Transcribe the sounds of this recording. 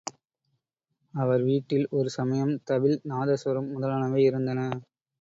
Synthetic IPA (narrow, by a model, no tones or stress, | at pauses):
ɐʋɐɾʋiːʈːɪlɔɾɯsɐmɐjɐmt̪ɐʋɪlnaːðɐsɐɾɯmːʊðɐlaːnɐʋeɪɾɯnd̪ɐnɐ